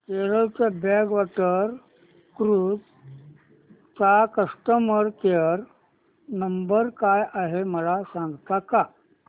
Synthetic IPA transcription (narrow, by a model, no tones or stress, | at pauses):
keɾəɭt͡sabɛɡʋaʈəɾ | kɾuːd͡z | t͡sakəsʈəməɾkeɾ | nəmbəɾkajaɦeməlasãŋɡt̪aka